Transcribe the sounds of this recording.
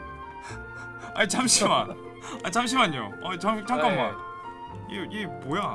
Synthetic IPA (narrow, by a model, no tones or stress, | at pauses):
ait͡ɕamɕʰima̰ | at͡ɕamɕ̬ʰimaɲo̰ʌt͡ɕʌt͡ɕʰʌŋk͈amːa̰ | jeemoja